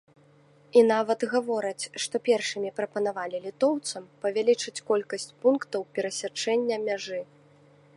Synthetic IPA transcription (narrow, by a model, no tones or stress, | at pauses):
inavɐt̪ɣavɔɾɐt͡sʲʂt̪ɔpʲɛrʂɨmʲipɾɐpɐnavalʲilʲit̪ɔwt̪sɐmpɐvʲalʲit͡ʂɨt͡sʲkɔlʲkɐsʲt͡sʲpunkt̪ɐwpʲɛɾɐsʲat͡ʂɛnʲːɐmʲaʐɨ